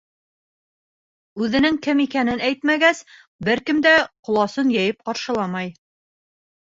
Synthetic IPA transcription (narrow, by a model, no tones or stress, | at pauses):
ʉðɘ̆nɘŋkɘmikænɘnæjt̪mæɡæs | bɘɾkɘ̆md̪æqŏlˠɑsɤnjæjɘp̚qɑɾʃɤ̆lˠɑmɑj